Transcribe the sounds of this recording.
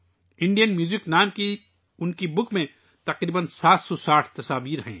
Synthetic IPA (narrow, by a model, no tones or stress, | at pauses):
ɪ̃ɳɖijənmjuːzɪknaːmki | ʊnkibʊkmẽ | t̪ɐqɾiːbənsaːt̪sɔsaːʈʰt̪ɐsaːʋiːɾɦɛ̰̃ː